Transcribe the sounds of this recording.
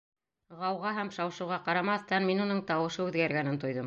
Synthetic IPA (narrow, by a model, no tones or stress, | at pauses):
ʁɑwʁɑɦæmʃɑwʃɤ̆wʁɑqɑɾɑmɑθt̪ɑnminunɤɴt̪ɑwɤ̆ʃɤʉðɡæɾɡænɘnt̪ŏjðɤm